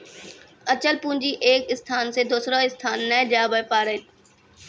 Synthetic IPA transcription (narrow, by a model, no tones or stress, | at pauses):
ət͡ɕəlpũːnd͡ʒiːʔeːkɪst̪ʰaːnsed̪oːsɾaɪst̪ʰaːnːɛd͡ʒaːbəpaːɾəɪl